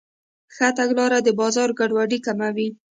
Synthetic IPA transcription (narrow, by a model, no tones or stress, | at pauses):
xat̪aɡlɑɾad̪əbɑzɑɾɡaɖwaɖikamawi